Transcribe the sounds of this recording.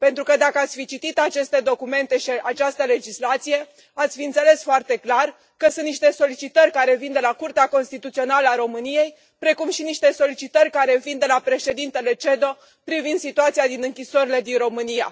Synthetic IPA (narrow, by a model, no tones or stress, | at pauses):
pe̞nt̪ɾukəd̪akəat̪sʲfit͡ʃit̪it̪at͡ʃe̞st̪e̞d̪o̞kume̞nt̪e̞ʃiat͡ʃast̪əle̞d͡ʒislat̪sije̞ | at̪sʲfiɨnt̪se̞le̞sfoart̪e̞klar | kəsũnt̪niʃt̪e̞so̞lit͡ʃit̪ərʲkaɾe̞vind̪e̞lakurt̪eako̞nst̪it̪ut̪sio̞naləaɾo̞mɨnije̞j | pɾe̞kumʃiniʃt̪e̞so̞lit͡ʃit̪ərʲkaɾe̞vind̪e̞lapɾe̞ʃe̞d̪int̪e̞le̞t͡ʃe̞d̪o̞ | pɾivind̪sit̪uat̪sijad̪inɨŋkʲiso̞ɾile̞d̪inɾo̞mɨnija̰